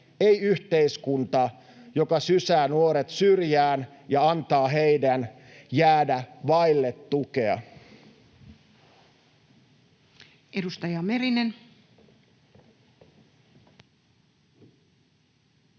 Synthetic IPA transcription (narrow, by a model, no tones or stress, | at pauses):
ejyht̪eiskunt̪ɑ | jokɑsysæːnuoɾet̪syrjæːn | jɑɑnt̪ɑːɦe̞jdæn | jæːdæʋɑjlːet̪ːukeɑ̰ | edust̪ɑjɑmeɾinen